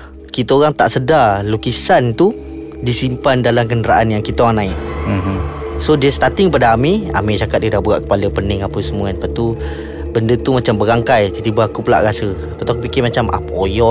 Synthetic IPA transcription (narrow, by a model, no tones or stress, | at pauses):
kit̪əoɣaŋt̪a̰ʔsədalokisant̪u | disimpandalamkəndəɾaʔanjaŋkit̪aoɣaŋnaɪʔ̩ | sodiəst̪at̪ɪŋkəpadaamia̰mit͡ʃakat̪̚diədahbəɣa̰ʔkə̥paləpənɪŋapəsəmũanpat̪u | bəndət̪umat͡ʃambəɾaŋkajt̪ət̪ibaakupəla̰ʔɾasəapət̪akupikɪmat͡ʃamʔa̰pojɔ